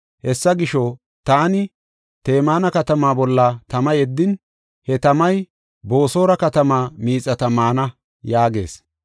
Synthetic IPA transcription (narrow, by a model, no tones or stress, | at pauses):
hɛsːɐɡɪʃɔ | t̪aːnɪ | t̪e̞ːmaːnɐkɐt̪ɐmaːbɔlːɐt̪ɐmɐjɛd̪ːɪn | hɛt̪ɐmɐj | bo̞ːso̞ːɾɐkɐt̪ɐmaːmiːt͡sʼːɐt̪ɐmaːnɐ | jaːɡe̞̰ːs